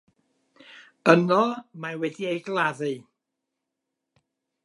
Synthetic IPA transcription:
ənɔmawɛdiejɡlˠaðɨ

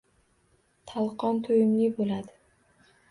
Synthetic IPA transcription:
t̪ʰalˠqʰɒnt̪ʰojɪmlɪbolad̪ɪ

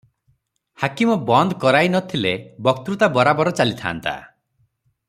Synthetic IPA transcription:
hakimɔbɔnd̪kɔɾajnɔt̪ʰilebɔk̚t̪ɾut̪abɔɾabɔɾɔt͡ʃalit̪ʰa̰ːnt̪a̰

